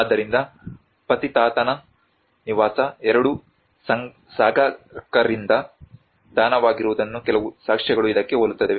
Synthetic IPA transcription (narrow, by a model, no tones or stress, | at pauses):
aːd̪ːɐɾind̪ɐ | pɐt̪it̪aːt̪ɐnɐ | niʋaːsɐɛɾɐɽu | sɐŋ | saːɡʱɐkɐɾind̪ɐ | d̪̥ʱaːnɐʋaːɡiɾuʋud̪ɐnːukɛlɐʋusaːkʂɛɡɐɭuid̪ɐkːeɦolut̪ːɐd̪eʋe